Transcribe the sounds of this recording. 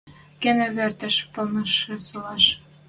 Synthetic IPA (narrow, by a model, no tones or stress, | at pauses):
kenĕβert̪ə̆ʃpɤ̆lnɤ̆ʃɘ̆sɤ̆lɑʃ